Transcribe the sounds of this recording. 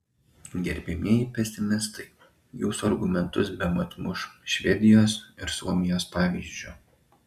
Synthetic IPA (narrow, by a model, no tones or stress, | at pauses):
ɡʲɛɾʲbʲɪmʲiɛjɪpʲɛsʲɪmʲɪst̪ɐɪ | juːsuɐɾɡʊmʲɛnt̪ʊsbʲɛmɐt̪mʊʃʃʲʋʲɛd̪ʲɪjoːsɪɾsuɔmʲɪjoːspɑːʋʲiːzʲd͡ʒʲʊˑ